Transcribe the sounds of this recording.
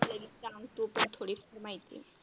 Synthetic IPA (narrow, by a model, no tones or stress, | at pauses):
ləɡiaŋt̪upəɳt̪ʰoɽifəɾmajt̪ḭ